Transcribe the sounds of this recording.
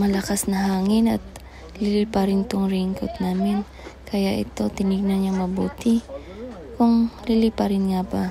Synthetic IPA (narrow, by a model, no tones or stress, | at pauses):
mɐlɐkasnɐɦaːŋɪnɐt̪̚ | lɪliːpɐɾɪnt̪oŋɾiŋko̰t̪̚naːmɪn | kɐjaʔɛ̰t̪o̞t̪ɪnɪɡ̚nɐnɐŋmɐbuːt̪ɪ | kʊŋlɪliːpɐɾɪnŋabɐ